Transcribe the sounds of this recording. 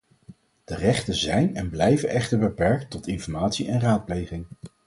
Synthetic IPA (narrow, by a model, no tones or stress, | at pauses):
d̥ərɛχtənzɛjnɛnblɛjvənʔɛχtəɹbəpɛɹk̚tɔtɪnfɔɹmaːtsiʔɛnraːt̚plejχɪŋ